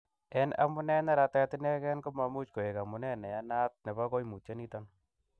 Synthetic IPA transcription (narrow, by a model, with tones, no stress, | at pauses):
ɛ˦na̰˦mʊ˦nɛ˦na˦ɾa˨ta˦tɪ˦nɛ˦kɛ˦nko˦ma˨mu˦t͡ʃko˨e˨ka˨mʊ˨nɛ˦nɛ˨ja˦na˦t̚ne˨ba˦kɔ˦jmu˨t͡ʃe˦ni˦tɔ˦n